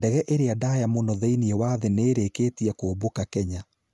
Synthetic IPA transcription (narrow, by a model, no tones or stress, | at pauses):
dɛɣɛʔeɾeadajamonɔðeiniɛwaðeneːɾekeːtiɛkoːbokakɛɲa